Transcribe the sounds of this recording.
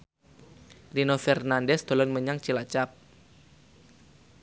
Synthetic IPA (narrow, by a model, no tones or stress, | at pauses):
rinofɛrnandɛsd̪̥o̤lɔnməɲaŋt͡ʃilat͡ʃap̚